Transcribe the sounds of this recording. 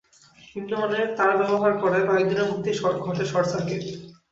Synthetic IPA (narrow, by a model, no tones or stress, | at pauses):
inːoɔneɾt̪aɾabɛboɦaɾkɔɾebaid̪inamut̪iʃɔɾɡʱɔʈeɾʃɔɾsake